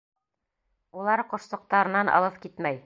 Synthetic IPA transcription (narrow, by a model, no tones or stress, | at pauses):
ulˠɑɾqŏʃsŏq̚t̪ɑɾɤ̆nɑnʔɑ̰lˠɤpkit̪mæj